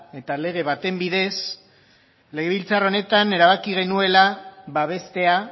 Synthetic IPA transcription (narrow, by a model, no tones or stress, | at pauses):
e̞t̪ale̞ɣ̞e̞βat̪e̞mbiðe̞s | le̞ɣe̞βilt͡saro̞ne̞t̪ane̞ɾaβakiɣ̞e̞nue̞laβaβe̞st̪e̞a